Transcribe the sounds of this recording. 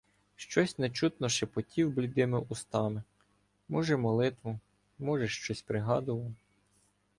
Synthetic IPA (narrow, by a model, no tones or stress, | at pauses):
ʃt͡ʃɔsʲnet͡ʃut̪nɔʃɛpɔtʲiwblʲid̪ɪmɪʔust̪ɑmɪ | mɔʒɛmɔlˠɪt̪ʋʊ | mɔʒɛʃt͡ʃɔsʲpɾɪɦɑd̪ʊʋɐw